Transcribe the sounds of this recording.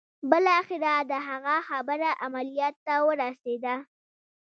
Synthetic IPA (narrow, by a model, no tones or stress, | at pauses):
bəlɑxɪɾad̪əɦaɣaxabəɾaʔamalijɑt̪ːawəɾased̪a